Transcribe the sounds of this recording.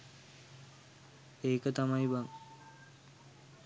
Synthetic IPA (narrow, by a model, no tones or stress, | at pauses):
eːkət̪amajʋaŋ